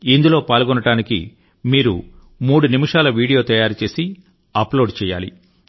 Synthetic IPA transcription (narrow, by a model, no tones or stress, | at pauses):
ind̪ulo̞ːpaːlɡɔnɐʈaːnikḭ | miːɾṵ | muːɽunimiʂaːlɐʋiːɽijo̞ːt̪ɐjaːɾt͡ʃe̞ːsi | ɐplo̞ːɖt͡ʃɛːja̰ːlḭ